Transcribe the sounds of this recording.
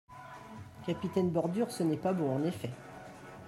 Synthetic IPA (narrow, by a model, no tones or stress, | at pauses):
kʲapit̪ɛnbɔʁd̪yʁsənɛpabõɑ̃nefɛ